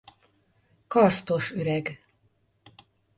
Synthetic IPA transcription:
kɒrst̪oʃøɾɛɡ

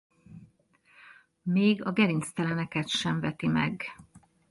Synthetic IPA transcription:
meːɡɒɡɛɾinst̪ɛlɛnɛkɛt̪ʃɛɱvɛt̪imɛ̰ɡ

